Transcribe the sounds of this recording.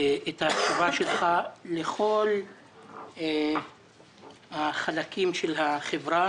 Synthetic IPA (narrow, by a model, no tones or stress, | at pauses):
ethakt͡ʃuvaʃelχaleχo̞l | haχalakimʃelɦaχevʁa